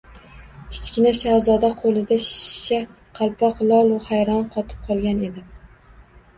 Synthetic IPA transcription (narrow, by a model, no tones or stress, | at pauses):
kʲʰɪ̥t͡ʃkʲɪnaʃawzɒd̪aqʰolˠɪd̪aʃʃa | qʰɑlˠpʰɒqlˠɒlˠahajɾɒnqʰɒt̪ʰɪ̥p̚qʰɒlˠɡʲane̞d̪ɪ